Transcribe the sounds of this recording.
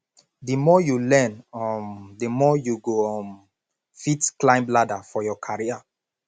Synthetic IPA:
dəmɔjulɛ̃nɔmdəmɔjuɡom | fitklãɪ̃mbladafɔjɔkʰaɹia

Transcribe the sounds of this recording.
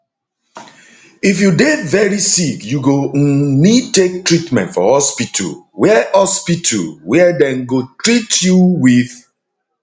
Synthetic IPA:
ifjudevɛɹisikjuɡonitek̚tɹitmɛ̰̃ntfɔ̰hɔspitʰṵlwɛhɔspitʰṵlwɛdɛ̃nɡotɹitjuwið

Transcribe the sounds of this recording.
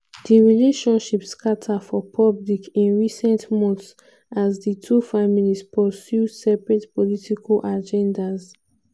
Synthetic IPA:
diɹileʃɔ̃nʃipskatʰafɔpʰɔblikĩnɹisɛ̃ntmɔ̃nθs | azditʰufamilispʰəsjusɛpɹɛtpɔlitikʰalʔad͡ʒɛ̃ndaz

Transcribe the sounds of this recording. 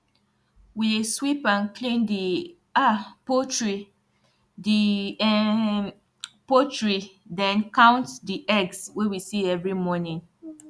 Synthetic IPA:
wiswipãnkʰlĩndi | apotɹi | di | potɹidɛ̃nkãʊ̃ntdiʔɛɡswewisiɛvɹimɔnĩn

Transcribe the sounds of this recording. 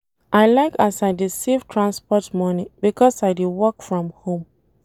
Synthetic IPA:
ʔaɪlaɪkasaɪdisivtʰɹãnspɔtmɔnibikɔsaɪdewɔkfɹɔ̃mhõm

